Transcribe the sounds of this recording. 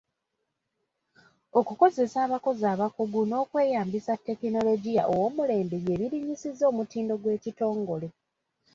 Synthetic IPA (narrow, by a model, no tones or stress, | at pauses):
okuko̞ze̞saːβako̞zaːβakuɡuno̞ːkwe̞ːjaːmbisatːe̞kino̞lo̞ɟija̰ʔowo̞ːmule̞ːmbeje̞βiɾiɲisizo̞ːmutiːndo̞ɡwe̞ːcito̞ːŋɡo̞le̞